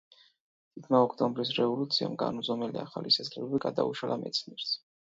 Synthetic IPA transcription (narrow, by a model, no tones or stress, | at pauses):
t̪ʰit̪ʰmaɔkʰt̪ʼɔmbɾis̬ɾɛvɔlut̪sʰia̰mɡa̰nuzɔmɛliaχalisaslɛlɔbiɡad̪auʃalamʔɛt̪sʰniɛɾs